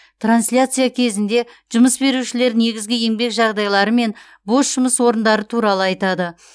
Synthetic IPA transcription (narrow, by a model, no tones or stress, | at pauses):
t̪ransʲlʲat̪sɨjakʲʰe̞zɪnd̪e̞ | ʒ̥ʊməsbe̞ɾuʃɪle̞ɾne̞ɡʲɪzɡʲɪje̞ŋbe̞kʒɑʁd̪ɑjlˠɑɾəme̞n | bo̞sʒʊməswo̞ɾənd̪ɑɾət̪ʰuɾɑlˠəɑjt̪ɑd̪ə